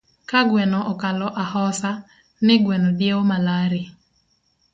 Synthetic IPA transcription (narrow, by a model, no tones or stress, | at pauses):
kaɡwɛnɔʔɔkalɔʔahɔsa | nɪɡwɛnodjeomalaɾɪ